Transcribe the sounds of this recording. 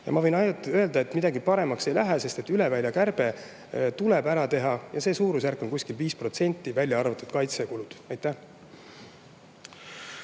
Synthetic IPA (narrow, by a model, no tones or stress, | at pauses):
jɑ̰mɑvɤ̞jnɑj̪ø̞ld̪ɑe̞t̪mid̪̥ɑɡipɑɾe̞mɑkse̞jlæɦæse̞st̪e̞t̪ːyle̞vælʲjɑkærb̥e̞ | t̪ule̞bæɾɑt̪e̞ɦɑjɑse̞ːsuːɾus̬ærkːˑo̞nkusʲkilviːspro̞t̪se̞nʲt̪ːˑivælʲjɑɑrvɑt̪ːˑud̪̥kɑjt̪sekulud̪̥ɑjt̪ˑːæh